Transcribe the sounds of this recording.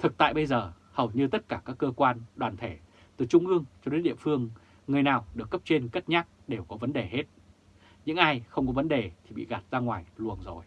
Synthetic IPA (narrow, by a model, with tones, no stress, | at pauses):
t̪ʰɨ˨˩k̚t̪a̰ː˧˨jɓə˧jzəː˨˩ | hə˨˩wɲɨ˧t̪ə˦˥t̚kaː˧˩kaː˦˥kːəː˧kwaː˧nɗwaː˨˩nt̪ʰe˧˩ | t̪ɨ˨˩t͡ɕʊ˧ŋ͡mʔɨ˧əŋt͡ɕɔ˧ɗe˨˦nɗḭ˧˨əfɨ˧əŋː | ŋɨ˨˩əjnaː˨˩wɗɨ˨˩əkːə˦˥p̚t͡ɕe˧nkə˦˥t̚ɲaː˦˥k̚ɗe˨˩wkɔ˨˦və˨˦nɗe˨˩ɦe˦˥t̚ | ɲɨ̰˧˥ŋʔaː˧jxə˧wŋ͡mkɔ˨˦və˨˦nɗe˨˩t̪ʰi˨˩ɓḭ˧˨ɣa˨˩t̚z̥aː˧ŋwaː˨˩jlu˨˩ənzo˨˩j